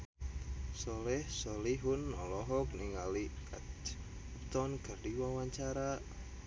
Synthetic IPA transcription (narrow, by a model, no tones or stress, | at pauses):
sɔlɛhsɔliɦʊnɔlɔɦɔk̚niŋalikat̪ | p̚t̪ɔnɡərdiwawaɲt͡ʃaɾa